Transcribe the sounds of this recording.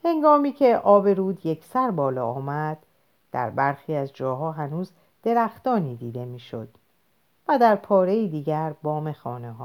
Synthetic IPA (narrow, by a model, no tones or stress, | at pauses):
he̞ŋɡɒːmiːcʰe̞ʔɒːbe̞ɾuːd̪je̞kʰsæɾbɒːlɒːɒːmæd̪̥ː | æ̰ɾbæɾxiːæzd͡ʒɒːɦɒːɦænuːz | d̪̥e̞ɾæxt̪ɒːniːd̪iːd̪e̞miːʃo̞̰d̪̥ | væd̪æɾpʰɒːɾe̞jiːd̪iːɟæɾbɒːme̞xɒːneɦɒː